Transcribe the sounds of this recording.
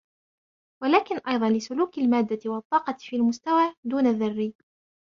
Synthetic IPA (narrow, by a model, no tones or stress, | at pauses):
walaːkɪnʔɑjðˤɑnlɪsʊluːkalmaːd̪ːawɑt̪ˤːɑːqɑfiːlmʊst̪awaːd̪uːnaðːɑrːiː